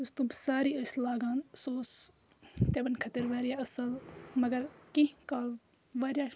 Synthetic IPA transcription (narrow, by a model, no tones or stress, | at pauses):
ust̪õːbsaːɾiːɐslaːɡaːnsoːs | t̪ebɐnkʰɐt̪ɐɾʋaːɾijaːɐsɐlmɐɡɐɾ | kĩkaːl | ʋaːɾjaː